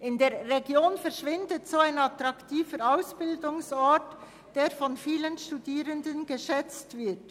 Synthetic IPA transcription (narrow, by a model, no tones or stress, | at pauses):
ʔɪndeːɐːeɡjoːnfɛʁʃvɪndətsoːaɪnɑtɾɑktʰiːfəɾaʊsb̥ɪldʊŋsɔt | d̥eːɐfɔnfiːlənʃtudiːɾəndənɡəʃɛt͡stv̥ɪt